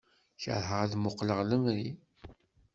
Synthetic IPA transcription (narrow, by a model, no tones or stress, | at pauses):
çə̰ɾɦəʁðmʊqləʁləmɾi